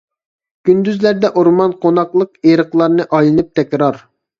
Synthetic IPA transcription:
kʲynd̪yzlæɾd̪ɛʔoɾmɑnqʰonɑqlˠəq̚eɾəqlˠɑɾnɨʔɑjlˠɨnɨp̚t̪ʰɛkʲɾɑɾ

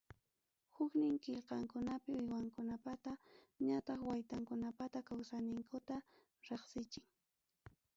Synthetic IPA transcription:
hʊknɪŋkɪʎqɑŋkʊnapɪʊjwaŋkʊnapat̪a | ɲat̪ɑχwajt̪aŋkʊnapat̪akawsanɪŋkʊt̪a | ɾeχsɪt͡ʃɪŋ

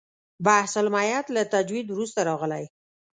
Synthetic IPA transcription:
bahsʊlmɑjat̪lat̪ad͡ʒwid̪wɾust̪aɾɑɣəlaj

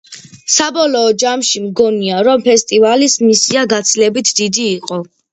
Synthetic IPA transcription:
sabɔlɔːd͡ʒamʃimɡɔniaɾɔmpʰɛst̪ʼivalismisiaɡat̪sʰilɛbit̪ʰd̪id̪iːqʼɔ

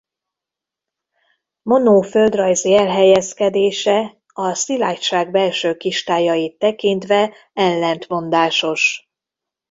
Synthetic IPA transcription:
mo̞noːføld̪rɒjziɛlɦɛjɛskɛd̪eːʃɛ | ɒsilaːtʃaːɡ̚bɛlʃøːkiʃt̪aːjɒjit̪ːɛkint̪ʋɛ | ɛlːɛnt̪mo̞nd̪aːʃo̞ʃ

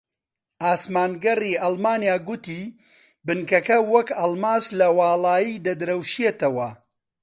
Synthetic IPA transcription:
ʔaːsmaːnɡɐriːʔɐlˠmaːnjaːɡʊt̪iː | bɨnkɐkɐwɐkɐlˠmaːslɐwɑːlˠaːjid̪ɐd̪ɨɾɐwʃijet̪ɐwɐ

